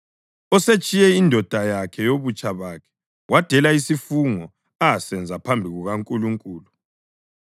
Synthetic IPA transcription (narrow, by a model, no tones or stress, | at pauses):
ɔset͡ʃʼijɛindʱɔd̥ʱajakʰɛjoβut͡ʃʼaβakʰɛ̥ | wad̥ʱɛlaisifuŋɔ | asɛnd͡zʱapʰambʱiɣuɣaŋkʼuluŋkʼuːlu